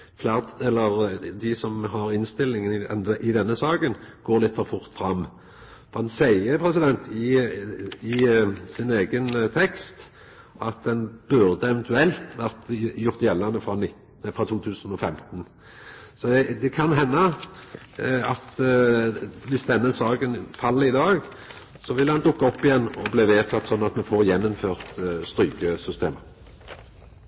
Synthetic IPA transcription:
flæt̪ɛlːəɾd̪ɪsɔmɦɑɾɪnst̪ɪlːɪŋənɪʔɪd̪ɛnːəsɑːɡənɡ̥oːɾlɪt̪ːfɔɾfʊʁt̪fɾɑmː | fɔɾhɑnsæɪəpʰɾɛsɪd̪ɛnt̪ɪ | ɪsɪneːɡənt̪ʰɛkst̪ | ʔɑt̪̚d̪ɛnbʉʁd̪əɛʋɛnt̪ʉɛlt̪ʋæɾt̪jʊʁt̪jɛlːɑnəfʁɑnɪt̪ | fʁɑːt̪ʰuːt̪ʰʉːsənɔfɛmt̪n | sɔɛd̪ɛkʰɑnɦɛnːə | ɑt̪ | ʋɪsd̪ɛnːəsɑːɡənfɑlːɪd̪ɑːɡ | sɔʋɪlːəhɑnd̪ʊkːɔpːɪjɛnːɔbleːʋeːt̪ʰɑt̪sɔnːɑt̪mɛfoːɾjɛnːɔmføːʁt̪st̪ɾyːkəsʏst̪eːmə

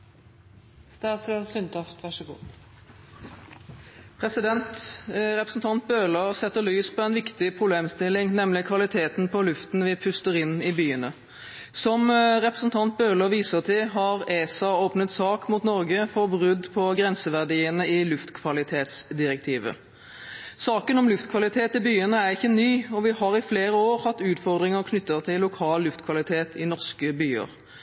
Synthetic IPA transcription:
sɑssʏnt̪ʰɑft̪ʋæʂəɡṵː | pʰʁɛsɪd̪ɛnt̪ʁɛpɾəsn̩t̪ʰɑnt̪̚bøːløsɛt̪ːəlyːspʰɔɛnʋɪkt̪ɪpʰʁʊbleːmst̪ɪlːɪŋnɛmlɪkʰʋɑlɪt̪ʰeːt̪npʰɔlʉft̪nʋɪpʰʉst̪əʁɪnːɪbyːənə | sɔmʁɛpʁəsn̩t̪ʰɑnt̪̚bøːləʋiːsəʁt̪ʰɪlɦɑʁeːsɑoːpnət̪sɑːkmuːt̪nɔʁɡəfɔbʁʉd̪ːpʰɔɡʁɛnsəʋæʁd̪iːənəɪlʉft̪kʰʋɑlɪt̪ʰeːt̪sd̪ɪʁɛk̚t̪ʰiːʋə̰ | sɑːkənɔmlʉft̪kʰʋɑlɪt̪ʰeːt̪ɪbyːənəæʁɪçːənyːɔʋɪhɑʁɪfleːʁəoːʁhɑt̪ːʉːt̪fɔʁd̪ʁɪŋəʁkʰnʏt̪ːəʁt̪ʰɪlːʊkʰɑːlːʉft̪kʰʋɑlɪt̪ʰeːt̪ʰɪnɔʁʂkəbyːə̰ʁ

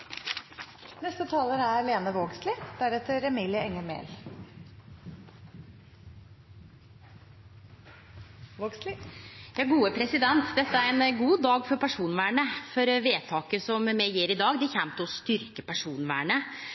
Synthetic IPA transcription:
nɛst̪ət̪ʰɑːləɾæɾleːnəʋoːɡslɪd̪æɾɛt̪ːəɾɛmiːlɪəɛŋːəɾmḛːl | oɡslɪjɑːɡuːəpʰɾɛsɪd̪ɛnt̪d̪ɛt̪ːəæɾɛnɡuːd̪ɑːɡfɔɾpæʂuːnʋæːɳəfɔɾʋeːt̪ʰɑːkəsɔmmɛjɪːɾɪd̪ɑːɡd̪ɪçɛmt̪ɔst̪ʏɾkəpʰæʂuːnʋæ̰ːɳə

